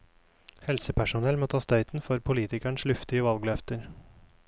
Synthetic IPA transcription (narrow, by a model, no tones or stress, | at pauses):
hɛlsəpʰæʃʊnɛlmoːt̪ʰɑːst̪œʏt̪n̩fɔɾpʰʊliːt̪ɪkæɳslʉft̪ɪəʋɑlɡlœft̪əɾ